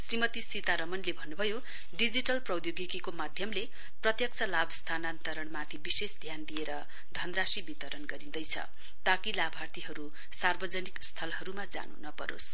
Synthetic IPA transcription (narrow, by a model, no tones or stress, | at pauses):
srimʌt̪isit̪aɾʌmʌnlebʱʌnːubʱʌjo | ɖid͡ziʈʌlprʌwd̪joɡikikomad̪ʱjʌmle | prʌt̪jʌk̚t͡sʰʌlabst̪ʰanant̪ʌɾʌɳmat̪ʰibisesd̪ʱjand̪ijeɾʌ | d̪ʱʌnrasibit̪ʌɾʌnɡʌɾid̪ʌjt͡sʰʌ̰ | t̪akilabʱart̪iɦʌɾu | sarbʌd͡zʌnikst̪ʰʌlɦʌɾumad͡za̰nṵnʌpʌɾo̰s